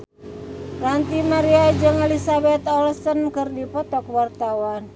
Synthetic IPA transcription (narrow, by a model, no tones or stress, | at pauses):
rant̪imaɾiad͡ʒɨŋɛlisabɛt̪ɔlsənkɨrdipɔt̪ɔkwart̪awan